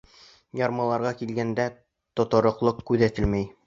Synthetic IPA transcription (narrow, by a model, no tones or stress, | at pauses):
jɑɾmɑlˠɑɾʁɑkilɡænd̪æ | t̪ŏt̪ɤ̆ɾŏqlˠɤqkʉðæt̪ɘlmæj